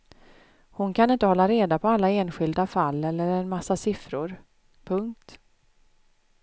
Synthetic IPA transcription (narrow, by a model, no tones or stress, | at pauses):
hʊnkʰanɪnt̪əhɔlːaɾeːd̪apʰɔalːaeːnɧɪld̪afalːɛlːəɾəɾɛnmasːasɪfɾʊɾ | pʰɵŋk̚t̪